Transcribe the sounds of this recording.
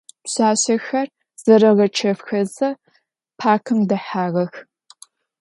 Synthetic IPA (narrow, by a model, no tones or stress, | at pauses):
ɕaːɕɐxɐr | z̥ɐɾɐʁɐt͡ʃʰɐfxɐzɐ | pʰaːkʰɨmdɐħaːʁɐx